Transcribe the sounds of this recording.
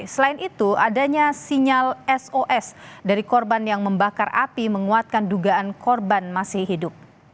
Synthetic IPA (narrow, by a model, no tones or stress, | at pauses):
səlaɪnʔit̪uadaɲasiɲalɛsoʔɛsdaɾikɔrbanjaŋməmbakara̰piməŋuat̪̚kanduɡaʔankɔrbanmasɪhhidʊp̚